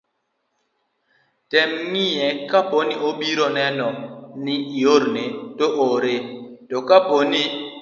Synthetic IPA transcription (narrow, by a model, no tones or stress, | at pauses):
tɛmːijɛkaponioɓiɾɔnɛnɔniioɾnetoʔoɾetɔkaponi